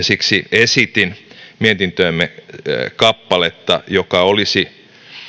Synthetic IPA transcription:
siksiesit̪inmiet̪int̪øːmːekɑpːɑlet̪ːɑ̰jokɑolisi

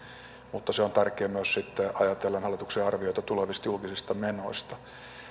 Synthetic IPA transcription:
mut̪ːɑseont̪ærkeːmyøssit̪ːeɑjɑt̪elːɑnhɑlːˑit̪uksiɑrʋioit̪ɑt̪uleʋist̪julkisist̪ɑmenoist̪ɑ

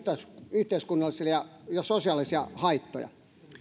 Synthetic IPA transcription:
t̪esyht̪eiskunːɑlːˑisijɑjɑsosiɑˑlisiɑ̰hɑit̪ːo̰jɑ̰

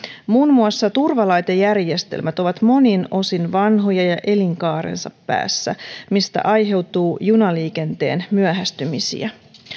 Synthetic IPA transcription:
muːnmuɑsːɑt̪urʋɑlɑjt̪ejærje̞st̪e̞̰lmæt̪o̞ʋɑt̪mo̞nino̞sinʋɑnɦo̞jɑjɑʔe̞liŋkɑːɾḛnsɑ̰pːæ̰ːsːæ̰mist̪æ̰ʔɑjɦe̞wt̪uːjunɑliːk̟e̞nt̪e̞̰ːnmyæɦæst̪ymisḭæ

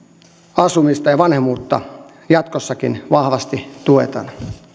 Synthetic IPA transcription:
ɑsumist̪ɑjɑʋɑnhemuːt̪ːɑ̰ | jɑt̪kosːɑkinʋɑhʋɑst̪it̪uet̪ɑ̰n

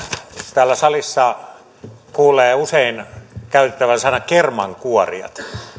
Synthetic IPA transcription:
t̪æːlːæsɑlisːɑ | kuːleːuseˑinkæˑyt̪et̪ːæʋænsɑˑenɑkermɑŋkuorḭɑ̰t̪

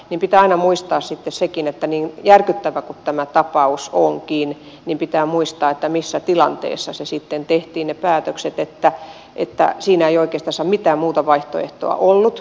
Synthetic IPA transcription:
nimpit̪æːɑinɑmuist̪ɑːssit̪ːessekinet̪ːæniːnjærkyt̪ːæʋækut̪t̪æmæt̪ɑpɑusoŋkiːn | nimpit̪æːmuist̪ɑːet̪ːæmisːæt̪ilɑnt̪ḛːsːɑsesit̪ːent̪eht̪iːnnepæːt̪økset̪et̪ːæ | ʔḛt̪ːæ̰siːnæeioikeːst̪ɑnsɑːmit̪æːmmuːt̪ɑʋɑiht̪o̰ḛht̪o̰ɑ̰ʔolːut̪

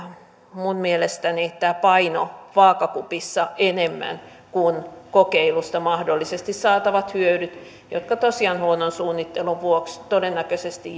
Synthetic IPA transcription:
munmielest̪ænit̪æːpɑinoʋɑːkɑkupisːɑʔenemːæ̰n | kunkokeilust̪ɑmɑhdolːisest̪issɑːt̪ɑʋɑt̪hyødyt̪ | jo̰t̪kɑt̪osiɑnhuonːonsuːnːit̪ːeluʋʋuokst̪odenːækøsest̪i

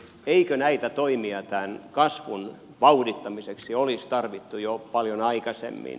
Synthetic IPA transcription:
eikønæit̪æt̪oimiɑt̪ænkɑsʋun | ʋɑudit̪ːɑmiseksiolist̪ɑrʋit̪ːujopɑljonɑikɑsḛmːḭn

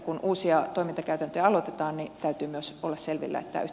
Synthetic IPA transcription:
kunʔuːsiɑt̪oimint̪ɑkæyt̪ænt̪øjæɑlot̪et̪ɑːnnit̪æyt̪yːmyøsolːɑsselʋḭlːæ̰ḛt̪ːæ̰yh

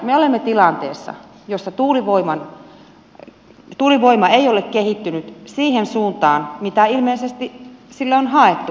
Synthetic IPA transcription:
meolemːet̪ilɑnt̪ḛːsːɑ̰ | josːɑt̪uːliʋoimɑn | t̪uːliʋoimɑeijolekkehit̪ːynyt̪siːhensuːnt̪ɑːnmit̪æilmeisest̪isilːeonhɑet̪ːu

